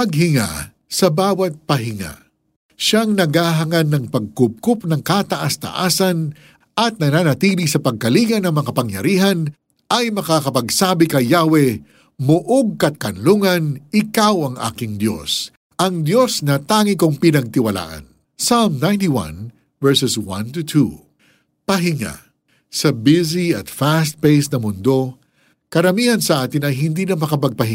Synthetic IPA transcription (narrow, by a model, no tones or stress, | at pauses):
pɐɡhɪŋa̰ | sɐbaːwɐt̪̚pɐɦɪŋa̰ | ʃaŋnɐɡaːɦɐŋanːɐŋpɐɡ̚kʊp̚kʊp̚nɐŋkat̪ɐʔast̪ɐ̰ʔaːsɐn | ʔɐt̪̚nɐnaːnɐt̪iːlisɐpɐɡ̚kɐliɡɐnːɐŋmɐkɐpɐŋjɐɾiːɦɐn | ʔɐjmɐkakɐpɐɡsaːbɪkɐjjaːwɛ | mʊʔoɡ̚kɐt̪̚kɐnluŋɐnɪkawɐŋʔa̰ːkɪŋd̪jo̞̰s | ʔɐŋd̪jo̞snɐt̪aːŋɪkoŋpɪnɐɡ̚t̪ɪwɐla̰ːʔɐ̰n | salmnãjnt̪iwɐ̰̃n | vɛɹsɛswɐ̰̃nt̪ut̪ʰu | pɐɦɪŋa̰ | sɐbɪziɐt̪fast̪̚pejsnɐmʊnd̪o̞ | kɐɾɐmiːhɐnsɐʔaːt̪ɪnɐjɦɪnd̪iːnɐmɐkɐpɐɡ̚pɐɦɪ